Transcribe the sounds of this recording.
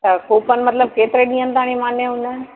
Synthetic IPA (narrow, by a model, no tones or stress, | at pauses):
t̪ɐkuːpənɪ̆mɐt̪ləb̚keːt̪ɪɾeɗĩːənɪ̆t̪aːɽ̃imaːnjeɦʊnən